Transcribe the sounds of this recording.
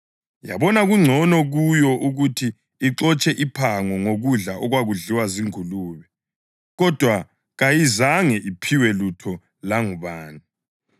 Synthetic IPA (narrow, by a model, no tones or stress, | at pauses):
ja̰βɔnaɣuŋ͡ǀʱɔnɔɣujɔʔuɣutʰiː | ǁɔt͡ʃʼɛʔipʰaŋɔŋoɣuɮaʔɔɣwaɣuɮiwaziŋuluːβɛ | ɣɔd̥ʱwa | ɣajizaŋɛʔipʰiwɛlutʰɔ | laŋuβaːni